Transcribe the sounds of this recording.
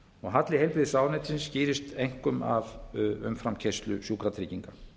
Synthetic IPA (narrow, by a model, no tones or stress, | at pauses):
ɔɣɦat̪lɪhejlpɾɪðɪsaːwnɛjt̪sɪnsciːɾɪst̪ejŋ̥kʏma̰vʏ̰mfɾamcʰejst̪lʏsjuːkɾat̪ʰɾɪːciŋka